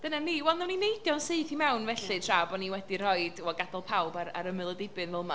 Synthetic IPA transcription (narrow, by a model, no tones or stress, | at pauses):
d̥ənaniwɛlˠnɛwninejdjɔnsɨːθimɛwnvɛɬɨtʰrabɔniwɛdir̥ɔjdɔɡadɔlˠpʰawbaɾa̰ɾəmɨlˠədɪbɨnvɛlˠma